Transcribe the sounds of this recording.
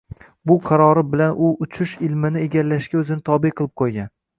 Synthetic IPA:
bʊqʰɑɾɒɾɪbɪlanʔʊʔʊt͡ʃʰʊʃɪlmɪnɪeɡʲalːaʃkʲaɵzɪnɪt̪ʰɒbɪjqʰɨlˠɪp̚qʰojɡʲan

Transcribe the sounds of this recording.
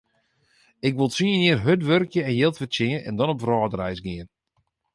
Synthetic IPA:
ɪkʋɪlˠsiəniərɦøtʋørkjəɛnjɪlˠtʋəsɪənɛ̰ndɔnɔpvrɔːdərɛjsɡɪən

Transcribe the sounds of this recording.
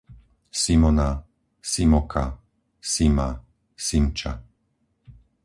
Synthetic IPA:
simɔna | simɔkʰa | sima | simt͡ʃa̰

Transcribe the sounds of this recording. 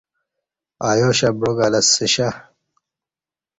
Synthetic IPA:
aːjoːɕɐbɾoɡalɐsːiɕa

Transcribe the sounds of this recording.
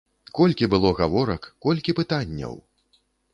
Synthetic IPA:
kɔlʲkʲibɨlˠɔɣavɔɾɐkːɔlʲkʲipɨt̪anʲːɐ̰w

